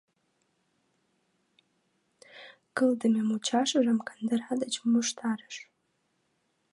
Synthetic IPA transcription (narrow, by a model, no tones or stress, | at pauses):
ɡ̥ɨldɨmamut͡ʃʰaʂaʐamkʰandɨrħadat͡ʃʰmɨʂtʰarɨʂ